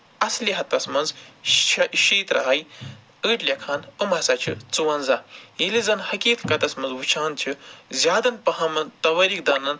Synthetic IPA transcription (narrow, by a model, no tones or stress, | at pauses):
ɐsliɦɐt̪ɐsmɐnz | ʃeːt̪ɾɐ̰ɦɐj | əːʈlʲɐkʰaːnɨmɐsɐt͡ʃʰḭt͡suwɐnzɐjilizɐnhɐkʲiːt̪ʰkɐt̪ɐsmɐnzwut͡ʃʰaːnt͡ʃʰizʲjaːd̪ɐnpɐɦɐmɐnt̪ɐʋɐɾik̚d̪ɐnɐn